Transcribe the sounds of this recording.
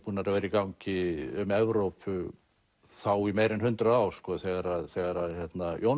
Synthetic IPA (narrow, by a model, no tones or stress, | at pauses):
puːnaɛɾavɛːɾɪikawɲcɪʏmɛvɾowpʰʏ | θawimeːjɾɛnhʏnt̪ɾaðaːw̥skɔːθɛːɣaɾaðθɛːɣaɾaðçjɛt̪najow